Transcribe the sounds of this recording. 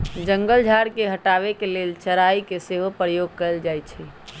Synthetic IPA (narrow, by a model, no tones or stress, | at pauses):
d͡ʒə̃ŋɡəld͡ʒʱaɾkeɦəʈaʋekelelt͡ʃəɾaikeseɦopɾəjoɡ̚kəɾəld͡ʒajt͡ʃʰɛ